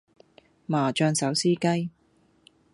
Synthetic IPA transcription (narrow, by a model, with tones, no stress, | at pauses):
maː˨˩t͡ʃœː˧ŋsɐ˨˥wsiː˥kɐ˥j